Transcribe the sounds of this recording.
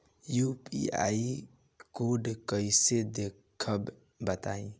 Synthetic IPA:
jupḭa̰i | koɖkəɪsed̪ekʰəb | bət̪aːĩ

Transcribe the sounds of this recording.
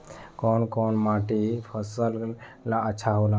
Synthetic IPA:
koːnkoːnmaːʈipʰəsəllaəːt͡ʃʰaɦoːla

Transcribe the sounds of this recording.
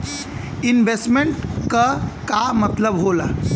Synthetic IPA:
inbʱesʈmeɳʈkakamət̪ləbɦola̰

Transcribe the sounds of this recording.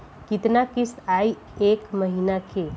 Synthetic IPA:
kɪt̪nakɪsaːi | eːkməɦinakʰe

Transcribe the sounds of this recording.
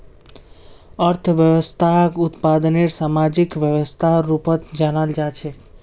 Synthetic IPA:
əɾt̪ʰʋjəʋəst̪ʰakut̪pad̪neɾsamad͡ʒikʋjəʋəst̪ʰaɾupət̪d͡ʒanald͡ʒat͡ʃʰe

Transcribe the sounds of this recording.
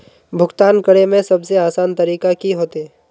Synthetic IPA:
bʱʊɡt̪aːnkəɽemẽsɐbseaːsaːnt̪ɐɾiːkakiɦoːt̪e

